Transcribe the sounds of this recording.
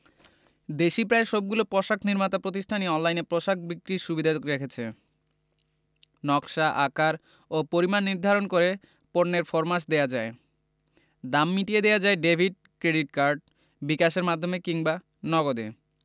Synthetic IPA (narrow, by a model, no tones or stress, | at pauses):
d̪eʃipɾaeʃɔb̚ɡulopɾɔʃakʰniɾmat̪apɾot̪̬iʃʈʰaniɔnlajnepɾoʃak̚bikɾiɾʃubid̪ʱaokɾekʰet͡ɕʰe | nɔkʃaʔakaɾ | opoɾimanːiɾd̪ʱaɾonkoɾe | poɾneɾfoɾmas̬d̪ejad͡ʑae | d̪amːiʈied̪ejad͡ʑaeɖebʱiɖ̚ | kɾeɖiʈ̚kaɾɖ | bikaʃ̬eɾmad̪ʱːomekiŋba | nɔɡod̪ḛ